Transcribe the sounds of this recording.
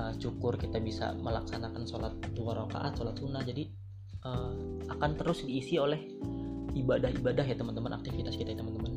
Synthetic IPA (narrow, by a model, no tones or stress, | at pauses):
ət͡ʃukʊrkit̪abisa̰məlaksanakansolat̪ːuaɾoka̰ʔa̰t̪̚solat̪̚sunahd͡ʒadi | əːmakant̪əɾʊsdiːsiolɛh | ibadaɦibadaɦjat̪əmənt̪əmənʔa̰k̚t̪ifit̪askit̪ajat̪əmənt̪əmən